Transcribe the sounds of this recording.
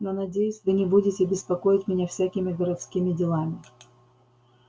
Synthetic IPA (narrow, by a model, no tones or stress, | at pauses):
nonɐdʲejʊsʲvɨnʲɪbudʲɪtʲɪbʲɪspɐko̞jɪtʲmʲɪnʲafsʲækʲɪmʲɪɡəɾɐt̪skʲimʲɪdʲɪlˠamʲɪ